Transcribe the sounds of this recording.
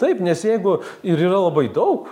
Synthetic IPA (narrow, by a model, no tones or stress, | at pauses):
t̪ɐɪpnʲɛsjɛɪɡʊ | ɪɾiːrɐlˠɐbɐɪd̪ɐʊk